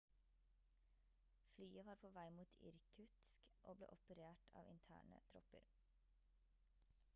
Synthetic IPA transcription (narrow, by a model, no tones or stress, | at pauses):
flyːəʋɑːɾpʰoːʋæɪmuːt̪ʰɪ̰ɾkʰʉt̪skʔoːblḛːʔɔpəɾeːʈʰɑ̰ːʋɪnt̪ʰæ̰ːɳə̰t̪ʰɾɔpəɾ